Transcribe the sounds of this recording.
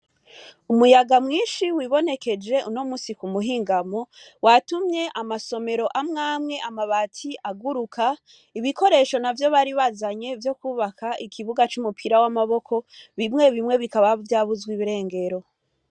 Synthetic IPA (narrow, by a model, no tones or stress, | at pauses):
umujaɡamŋiːnʃiwiβo̞ne̞ke̞d͡ʒe̞unomusikumuɦiːŋɡamo̞ | watumɲe̞ʔamaso̞me̞ɾo̞ʔamŋaːmŋe̞ʔamaβatʰiʔaɡuɾukʰa | iβiko̞ɾe̞ʃo̞navjo̞βaɾiβazaɲe̞vjo̞kuːβakʰaikʰiβuɡat͡ʃumupʰiɾawamaβo̞kʰo̞βimŋe̞βimŋe̞βikaβavjaːβuzɡwiβiɾe̞ːŋɡe̞ɾo̞